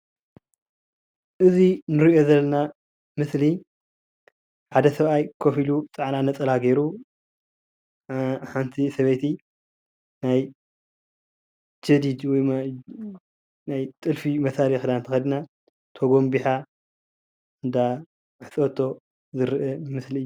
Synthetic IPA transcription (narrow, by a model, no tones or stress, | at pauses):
ʔɨzinɨɾiʔo̞zɐlːɐna | mɨsli | ħad̪ɐsɐβʔajkʰofilut͡sʼaʕnanɐt͡sʼɐlaɡeɾu | ħant̪ʰisɐβejt̪ʰi | naj | t͡ʃʰɐd̪id̪wɔj | najt̪ʼɨlfimɐsalixd̪ant̪ʰɐxɐd̪ina | t̪ʰoɡo̞mbiħa | ɨnd̪a | ħɨt͡sʼot̪ʰːo̞ | zɨɾʔɨmɨsliɨjːu